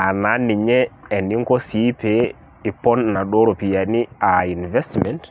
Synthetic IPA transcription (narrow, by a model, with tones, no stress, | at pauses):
a˨na˨˦ni˨ɲɛɛ˨ni˦ŋkɔ˦si˦pe | i˨pɔ˦nːa˨ɗɔ˦ɾo˨pi˨ja˨ni˦ai˨nvɛ˦stmɛnt